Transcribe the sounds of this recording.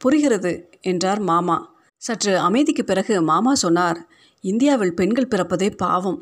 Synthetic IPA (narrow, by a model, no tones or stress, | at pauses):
pʊɾɪɣɪɾɐðɯ | ɛndraːɾmaːmaː | sɐʈrɯɐmɐɪðɪkːɯpːɪrɐɣɯmaːmaːsɔnːaːɾ | ɪnd̪ɪjaːʋɪɭpɛɳɡɐɭpɪrɐpːɐðeːpa̰ːʋɐm